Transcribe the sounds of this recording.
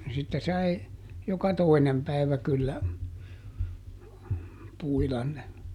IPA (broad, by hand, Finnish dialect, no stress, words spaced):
sitːe sɑi jokɑ toinem pæiʋæ kylːæ puilɑn ne